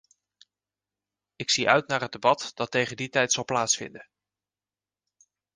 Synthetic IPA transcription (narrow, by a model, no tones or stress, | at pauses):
ɪksiʔœɥtnaːɹɦəd̚dəbɑtd̥ɑtejχənditɛjtsɑlˠplaːtsfɪ̰ndə